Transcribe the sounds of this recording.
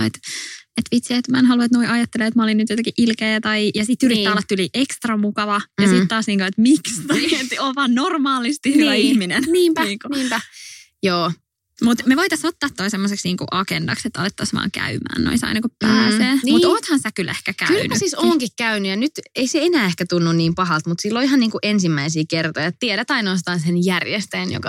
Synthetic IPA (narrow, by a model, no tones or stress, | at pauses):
et̪et̪ʋit̪siet̪mænɦɑluɑt̪noiʔɑjɑt̪ːelːeet̪mɑolinyt̪jot̪ɑkiʔilkeːæt̪ɑijɑsit̪ːyrit̪ːæːolːɑt̪t̪uliʔekst̪rɑmukɑʋɑjɑsit̪tɑːsniːŋkuet̪mikst̪ɑiet̪oʋɑːnnormɑːlist̪ihyæihminenniːmpniːŋkuniːmpæ | joː | mut̪meʋoit̪ɑsot̪ːɑːt̪ːoisemːoseksniːŋkṵʔɑkendɑkset̪ːɑ̰let̪ːɑsʋɑ̰ːŋkæ̰ymæ̰ːnno̰isɑ̰inɑkuppæːseːnmuoːt̪hɑnsækylehkækælːynysisoːŋkikkæynyjɑnyt̪eiseenæːehkæt̪unːunniːmpɑɦɑlt̪mut̪silːoihɑniːŋkuʔensimːæisiːkert̪ojɑtt̪ieɾæt̪ɑinoːs̬t̪ɑːnsenjærjest̪eːnjo̰kɑ̰